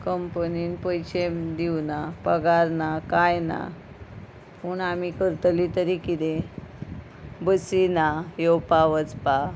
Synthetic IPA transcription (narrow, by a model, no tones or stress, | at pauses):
kəmpəninpəjt͡ɕemd̪iwnapəɡaɾnakajna̰ | puɳam̤ikəɾt̪lit̪əɾikid̪e | bəsinajowpaʋət͡spa